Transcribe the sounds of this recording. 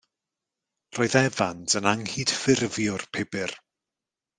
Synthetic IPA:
roːɨðɛvantʰənaŋhiːd̥fɪrvjʊrpʰɪbɪr

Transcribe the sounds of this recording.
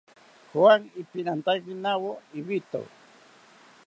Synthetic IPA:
xwaŋipinant̪aɣinawoiβit̪o̰w

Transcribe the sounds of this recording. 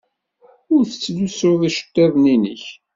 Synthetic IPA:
ʊɾθə̥t͡sːlusʊðæʃə̥t̪ːævninəç

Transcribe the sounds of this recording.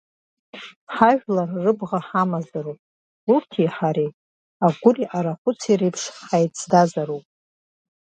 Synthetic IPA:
ħaʒᶣlarːɨbʁaħamazaɾupʼ | urtʰiħaɾet | aɡʷʊriʔaɾaχʷʊt͡sʰirejpʰʂħajtʼt͡sʰdazaɾupʼ

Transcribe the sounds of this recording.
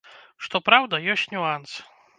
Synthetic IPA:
ʂt̪ɔpɾawd̪ɐjɔsʲtʲnʲuans

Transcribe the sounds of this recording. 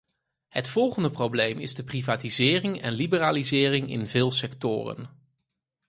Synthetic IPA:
hətfɔlˠχəndəprowblejmɪ̰zdəprivaːtizɪːrɪŋɛnlibəraːlizɪːrɪŋɪ̰nvɪːlˠsɛktʊ̰ːrə̰n

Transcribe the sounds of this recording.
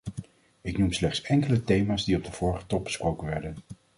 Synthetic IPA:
ɪknumslɛχtsɛŋkələtejmaːzdiɔb̚dəv̥ʊːɹχə̥tɔb̚bə̥sprowkənʋɛɹdən

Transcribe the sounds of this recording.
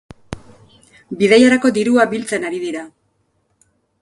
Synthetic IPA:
biðejaɾako̞d̪iɾuabilt͡se̞naɾiðiɾa

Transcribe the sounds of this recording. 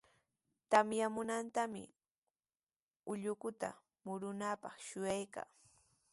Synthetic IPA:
t̪amjamʊnant̪amɪ̰ | ʊʎʊkʊt̪a̰ | mʊɾʊnapɑχʃʊjajka̰ː

